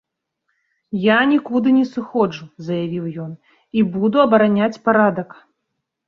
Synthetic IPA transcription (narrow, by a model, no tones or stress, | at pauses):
janʲikud̪ɨnʲɛsɨxɔd͡ʐuzɐjavʲiwjɔn | ibud̪uɐbɐɾanʲat͡sʲpaɾad̪ɐk